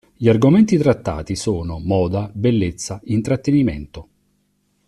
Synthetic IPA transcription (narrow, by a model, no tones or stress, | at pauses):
ʎiarɡoment̪it̪ɾat̪ːa̰ːt̪isoːnomɔːd̪abelːet̪sːaint̪ɾat̪ːenimḛnt̪o